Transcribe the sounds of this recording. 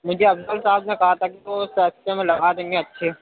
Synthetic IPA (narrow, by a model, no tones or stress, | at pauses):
mʊd͡ʒʱeɐbsəlsaːbnẽkɐɦat̪ʰakiʋosɛːst̪ẽmẽlɐɡaːd̪eŋɡeɐtːʃʰeː